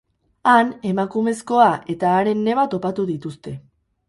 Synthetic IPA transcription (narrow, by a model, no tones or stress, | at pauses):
ane̞makume̞sko̞aʔe̞t̪aːɾe̞nːe̞βat̪o̞pat̪uðit̪ust̪e̞